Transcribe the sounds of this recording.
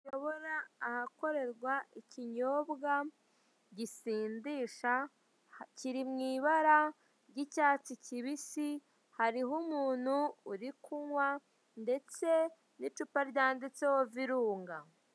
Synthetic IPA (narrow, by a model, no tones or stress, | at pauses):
ʃoβoɾaːhako̞ɾe̞ɾɡwaʔiciɲo̞ːbɡa | ɟisiːndiːʃa | ciɾimŋiːβaɾa | ɟicaːt͡siciβisi | haɾiɦumuːn̥huːɾikʰuŋwa | nde̞t͡se̞ | nit͡ʃupaɾɟaːndit͡sewoviɾuːŋɡa